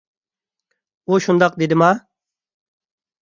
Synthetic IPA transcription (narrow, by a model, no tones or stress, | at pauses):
oːɕund̪ɐq̚d̪id̪imaː